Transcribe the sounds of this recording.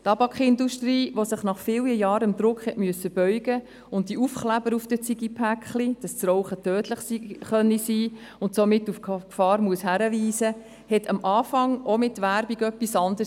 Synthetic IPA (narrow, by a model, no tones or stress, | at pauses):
tɑbɑkχɪnduʃtriːʋosəχnɑχfɪːljəjɑːɾəmd̪ɾʊkχhɛtmyəsəb̥œʏɡ̥ə | ʊnt̚diufχlæbəɾufd̥ət͡siɡipʰækχlid̥ɑst͡sɾɔʊχətøːtləχsiχœnːisiː | ʊntsomɪtːufkfɑːɾmuəshæɾəʋiːsə | hɛtʰɑmʔɑːfɑŋomɪtʋæɾbiɡœpːisɑndəs